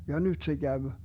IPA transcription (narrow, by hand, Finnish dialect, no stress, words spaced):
jɑ nyt se kæʋ